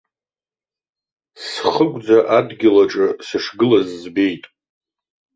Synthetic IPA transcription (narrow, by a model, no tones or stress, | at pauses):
sχəɡʷd͡zaʔadɡʲɪlaʈ͡ʂʼɨsɨʂɡɨlazːbe̞jtʼ